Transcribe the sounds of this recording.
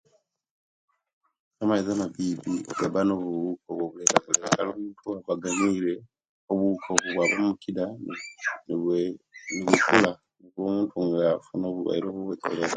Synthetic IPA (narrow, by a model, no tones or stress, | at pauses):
amaizamabibiɡabanoβuβukoβwoβuleβaβoleakalomuːntʰuaβaɡaɲile | oβuukʰoβuβwaβamukida | niβufula | niβo̞ːmuːntʰuŋɡafunoːβua̰iɾoːβoβweko̰leɾa